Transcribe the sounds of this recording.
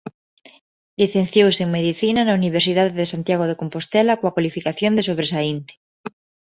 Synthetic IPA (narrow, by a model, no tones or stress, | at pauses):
liθẽnθjowseeŋmeðiθinanauniβ̞eɾsiðaðeðesant̪jaɣ̞oðekompost̪elakoakwalifikaθjond̪esoβɾesaint̪e̥